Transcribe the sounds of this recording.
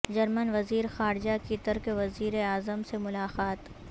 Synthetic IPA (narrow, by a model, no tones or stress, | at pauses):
d͡ʒɐɾmənʋɐziːɾxaːɾɪd͡ʒakit̪əɾkeʋɐziːɾeaːzəmsemʊlaːqaːt̪